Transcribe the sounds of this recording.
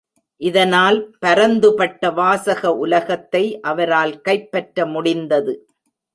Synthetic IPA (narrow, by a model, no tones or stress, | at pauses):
ʔɪðɐnaːlpɐɾɐnd̪ɯpɐʈːɐʋaːsɐɣɐʔʊlɐɣɐt̪ːɐɪʔɐʋɐɾaːlkɐɪpːɐʈɾɐmʊɽɪnd̪ɐðɯ